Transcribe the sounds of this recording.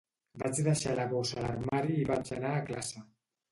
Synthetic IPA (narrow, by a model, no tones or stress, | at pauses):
bat͡siðaʃalakosalaɾmaɾiːβant͡senaklasa